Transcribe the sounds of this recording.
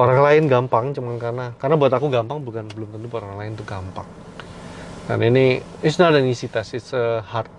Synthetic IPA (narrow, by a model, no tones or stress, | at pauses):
oɾaŋlaɪnɡampaŋt͡ʃumankarnakarnabuat̪akuɡampaŋbukanbəlʊmt̪ənt̪uoɾaŋlaɪnt̪ʊɡampa̰ŋ | da̰nini | isnadaŋisit̪asɪsəhart̪̚